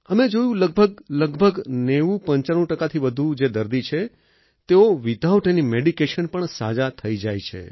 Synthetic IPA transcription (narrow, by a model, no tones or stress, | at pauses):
əmed͡ʒojũləɡ̚bʱəɡləɡbʱəɡneʋũpəɲt͡ʃaɽ̃ũʈəkat̪ʰiʋəd̪ʱud͡ʒed̪əɾd̪it͡ʃʰe | t̪eoʋid̪ʱaʋʈenimeɽikeʃənpəɳsa̰d͡ʒat̪ʰəid͡ʒajt͡ʃʰḛ